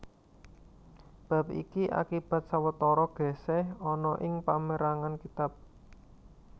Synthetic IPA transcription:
b̥a̤p̚ḭkiʔa̰kib̥a̤t̪̚sawət̪ɔɾɔɡ̥ɛ̤sɛhɔnɔʔɪŋpaməɾaŋankit̪ap̚

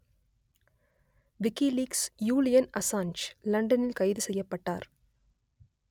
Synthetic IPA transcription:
ʋɪkːiliːksjuːlɪjɐnɐsaːnt͡ʃlɐɳɖɐnɪlkɐɪðɯsɛjːɐpːɐʈːaːɾ

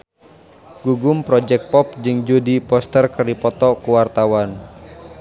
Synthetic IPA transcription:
ɡ̥uɡʊmpɾɔd͡ʒɛk̚pɔp̚d͡ʒɨŋd͡ʒodipɔst̪ərkəripɔt̪ɔkuwart̪awan

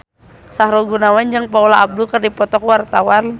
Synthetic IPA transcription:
sahɾɔɡunawand͡ʒɨŋpaulaʔːb̚dukɨrdipɔt̪ɔkwart̪awan

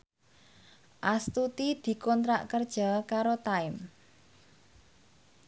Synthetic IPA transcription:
ʔast̪ut̪id̪̥i̤kɔnt̪ɾa̰ʔkərd̥ʒ̥a̤kaɾot̪aɪm

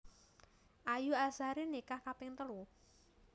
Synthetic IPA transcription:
ʔajuasaɾinekahkapɪŋt̪əlu

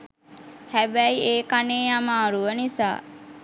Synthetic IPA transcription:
hæbæieːkaneːjamaːɾuʋənisa̰ː

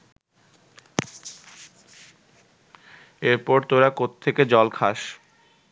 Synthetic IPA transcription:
eɾpɔɾt̪oɾakot̪t̪ʰːeked͡ʑɔlkʰaʃ

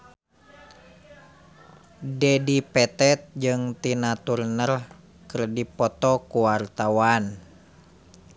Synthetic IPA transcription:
dɛdipɛt̪ɛt̪̚d͡ʒɨŋt̪inat̪urnər | kɨrdipɔt̪ɔkuwart̪awan

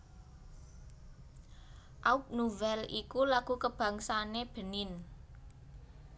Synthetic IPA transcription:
ʔaup̚nuvɛlʔikulaɡ̥ṳkəb̥a̤ŋsaneb̥ə̤nɪn

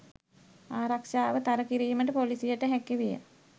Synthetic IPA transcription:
aːɾakʃaːʋət̪aɾəkiɾiːməʈəpolisijəʈəɦɛkiʋijə̰

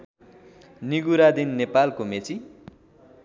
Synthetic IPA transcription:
niɡuɾad̪inːepalkomet͡si

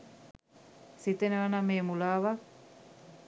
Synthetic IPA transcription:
sit̪enəʋanameːmulaːʋa

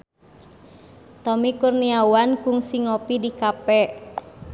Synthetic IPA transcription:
t̪ɔmikurniawankʊŋsiŋopidikapɛ

